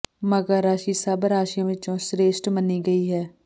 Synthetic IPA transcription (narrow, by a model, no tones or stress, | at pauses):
məɡəɾːaːʃiːsəbɾaːʃijãʋɪt͡ʃõsɾeːʃʈməniɡɐiːɦɛː